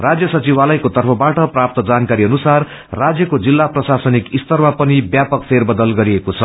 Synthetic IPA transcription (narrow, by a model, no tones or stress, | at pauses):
rad͡zjʌsʌt͡sibalʌjkot̪ʌrpʰʌbaʈʌprap̚t̪ʌd͡zankaɾiʌnusarː | ad͡zjʌkod͡zilːaprʌsasʌnikist̪ʌrmapʌnibjapʌk̚pʰerbʌd̪ʌlɡʌɾiekot͡sʰʌ